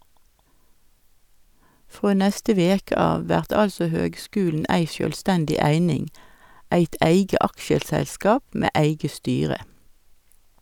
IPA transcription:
ˈfʁoː ˈnɛstə ˈʋeːkə ˈɑːʋ ˈʋæʁt ˈɑlsɔ ˈhøːɡˌskʉːln̩ ˈæɪ sjøːlˈstændɪ ˈæɪnɪŋ ˈæɪt ˈæɪɡə ˈɑkʃəsɛlˌskɑːp ˈmeː ˈæɪɡə ˈstyːʁə

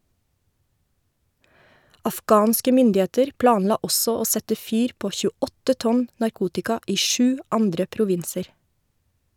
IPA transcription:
ɑfˈɡɑːnskə ˈmʏndɪeːtəɾ ˈplɑːnˌlɑː ˈɔsɔ ˈoː ˈsɛtə ˈfyːɾ ˈpoː çʉːˈɔtə ˈtɔn nɑɾˈkuːtɪkɑ ˈiː ˈʃʉː ˈɑndɾə pɾʊˈʋɪnsəɾ

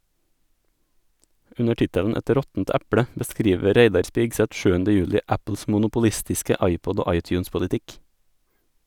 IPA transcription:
ˈʉnə ˈʈɪtəʎn̩ ˈɛt ˈɾɔtn̩t ˈæpɽə bəˈskɾiːʋə ˈɾeɪdɑɾ ˈspiːɡsɛt ˈʃʉːəndə ˈjʉːʎɪ ˈæpl̩s mʊnʊpʊˈʎɪstɪskə ˈɑɪˌpɔd ˈoː ˈɑɪˌtjʉːnspʊʎɪˌtɪk

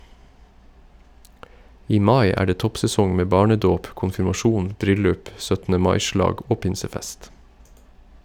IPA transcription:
ˈiː ˈmɑɪ ˈæː ˈɖeː ˈtɔpsɛˌsɔŋ ˈmeː ˈbɑːɳəˌdoːp kʊnfɪɾmɑˈʃuːn ˈbɾʏlʉp ˈsœtn̩ə ˈmɑɪ ˈʃlɑːɡ ˈoː ˈpɪnsəˌfɛst

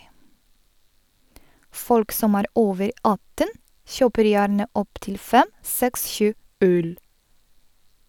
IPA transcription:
ˈfɔlk ˈsɔm ˈæːɾ ˈʔoːʋəɾ ˈʔɑtən ˈçøːpəɾ ˈjæːɳə ˈʔɔptɪl ˈfɛm ˈsɛks ˈʃʉː ˈʔøːl

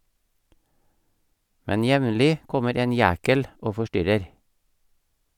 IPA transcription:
ˈmɛn ˈjɛʋnlɪ ˈkɔməɾ ˈeːn ˈjæːkəl ˈoː fɔˈʃtʏɾəɾ

